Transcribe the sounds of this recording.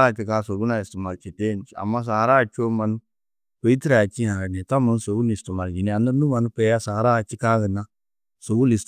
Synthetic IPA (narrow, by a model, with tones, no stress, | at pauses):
a˦˨t͡ʃɪ˨kaː˦so˨ɡu˦na˨ɪ˨stu˨ma˨lt͡ʃi˨te˦n˦a̰˨mːa˦s̬a˨˦ɾa˦˨t͡ʃo˦ma˨n˦ | pe˨i˦ti˦ɾa˨t͡ʃi˦ha˨ɾa˨nɛ˨ta˦mʊ˨n˦so˨ɡu˦ni˨stu˨ma˨ld͡ʒi˨ni˦a˨nə˦nu˦ma˨nu˦pɛ˦ja˦sa˨ɾa˦˨t͡ʃɪ˦ka˦ɡə˨na˦ | so˨ɡu˦li˨st